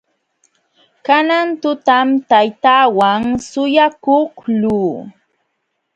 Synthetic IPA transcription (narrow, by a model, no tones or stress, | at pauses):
kanant̪ʊt̪amt̪ajt̪aːwaŋsʊjakohluː